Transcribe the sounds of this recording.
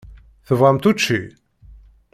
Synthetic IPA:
θəvʁəmt̪ut͡ʃːi

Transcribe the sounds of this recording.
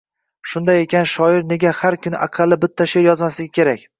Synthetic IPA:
ʃʊnd̪aje̞kʲanʃɒɪɾne̞ɡʲahaɾkʲʰʊnɪʔaqʰɑlːɪbɪt̪ʰːaʃe̞ɾjɒzmaslɪɡʲɪkʲʰe̞ɾakʲ

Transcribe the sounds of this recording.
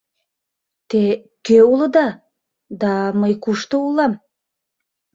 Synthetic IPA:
t̪e | køulˠə̆d̪ɑ | d̪ɑməjkuʃt̪əulˠɑm

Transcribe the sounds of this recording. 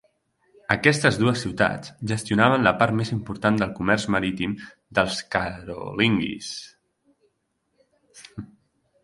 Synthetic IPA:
əkɛst̪əzðuəsːiwt̪a̰t͡sʒəst̪iunaβ̞ənləpaɾt̪mezimpuɾt̪and̪əlˠkumɛɾzməɾit̪im | d̪əlˠskəɾo̰liŋɡḭs

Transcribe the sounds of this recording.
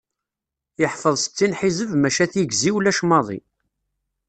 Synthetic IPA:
jəħfəðˤsə̥t͡sːinħizəvmæʃæθjəɡziwlæʃmɑðˤḭ

